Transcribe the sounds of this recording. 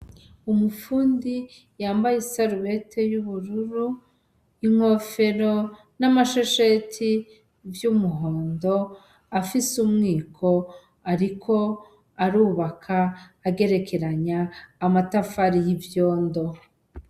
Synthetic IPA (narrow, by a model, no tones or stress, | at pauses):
umufuːndi | jaːmbajesaɾuβe̞tʰe̞juβuɾuɾu | iŋ̥ho̞fe̞ɾo̞ | namaʃoʃetʰi | vjumuɦoːndo̞ | afisumŋiːkʰo̞ | aɾikʰo̞ | aɾuːβakʰaːɡe̞ɾe̞kʰe̞ɾaɲaːmatafaɾijivjoːndo̞